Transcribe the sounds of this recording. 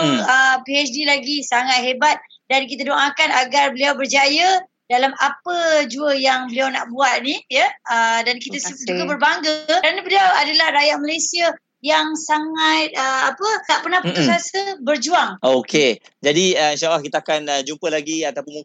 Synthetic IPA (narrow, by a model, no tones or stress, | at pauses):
əpiɛt͡ʃdilaɡisaŋat̪̚hebat̪̚ | dank̬it̪adoŋakanaɡarbəliawbərd͡ʒajə | dalamapəd͡ʒuəjaŋbəliawna̰ʔbuat̪̚nijəədankit̪əsd͡ʒuɡabərbaŋɡəəkɾanəbəliawadalahrajaʔ̚malajsia | jaŋsaŋat̪̚əapək̪aʔpərnahpət̪usasəbərd͡ʒuaŋokʰed͡ʒadiəinʃalːahkit̪aakanəd͡ʒumpəlaɡiat̪apʊnu